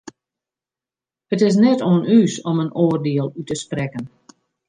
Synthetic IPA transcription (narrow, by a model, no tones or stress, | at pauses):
hətɪs̬nɛtoənʔyːsɔmənoːərdeəlˠytəsprɛkən